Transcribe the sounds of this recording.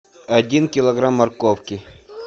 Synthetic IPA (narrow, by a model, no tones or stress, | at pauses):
ɐdʲinkʲɪlˠɐɡɾamːɐrkowkʲɪ